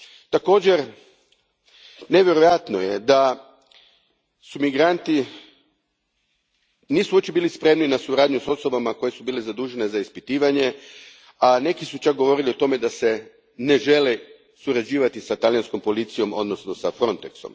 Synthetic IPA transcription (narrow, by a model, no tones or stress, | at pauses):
t̪ako̞ːd͡ʑe̞ɾ | ne̞ʋjeɾojat̪nojed̪a | sumiɡɾant̪i | niːsuot͡ʃebiːlispɾe̞mninasuɾaːd̪ɲuso̞so̞bamako̞je̞subiːlezad̪uːʒe̞ne̞zaispit̪iːʋaɲe̞ | ane̞kisut͡ʃak̚ɡo̞ʋo̞ɾiliot̪o̞me̞d̪ase̞ | ne̞ʒe̞le | suɾad͡ʑiːʋat̪isat̪aljansko̞mpo̞lit̪sijo̞mo̞d̪no̞sno̞safɾo̞nt̪ekso̞̰m